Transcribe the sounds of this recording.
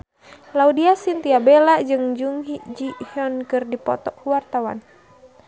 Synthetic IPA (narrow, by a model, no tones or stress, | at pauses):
laudiasint̪iabelad͡ʒɨŋd͡ʒuŋɦid͡ʒihiɔnkɨrdipɔ̰t̪ɔkuwart̪awa̰n